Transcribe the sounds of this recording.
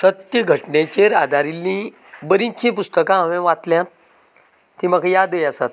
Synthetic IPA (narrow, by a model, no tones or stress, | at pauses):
sət̪jəɡʱəʈɳẽt͡ɕeɾad̪ʱaɾilːĩ | bəɾĩt͡ɕĩpust̪əkããʋẽʋat̪ljã | t̪ːĩməkajad̪əjasat̪̚